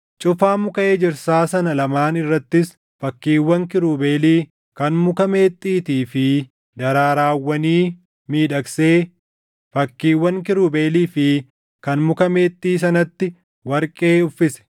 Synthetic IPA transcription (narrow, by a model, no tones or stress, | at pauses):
t͡ʃʼʊfaːmʊkɐeːd͡ʒɪɾsaːsɐnɐlɐmaːnɪrːɐt̪ːɪs | fɐkːiːwːɐŋkɪɾuːbeːliː | kɐnmʊkɐme̞ːt̪ʼːiːt̪iːfɪ | d̪ɐɾaːɾaːwːɐniː | miːᶑɐkse̞ː | fɐkːiːwːɐŋkɪɾuːbeːliːfɪ | kɐnmʊkɐme̞ːt̪ʼːiːs̬ɐnɐt̪ːɪ | wɐɾkʼeːʊfːɪsɛ̥